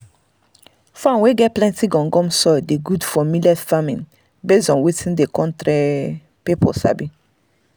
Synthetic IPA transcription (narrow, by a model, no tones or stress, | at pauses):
fãnweɡɛplɛ̃ntiɡɔ̃ŋɡɔ̃msɔjdeɡudfɔmilafamḭ̃n | beɔ̃nwetʰĩndekɔ̃ntɾe | pepʰɔ̰sa̰bĩ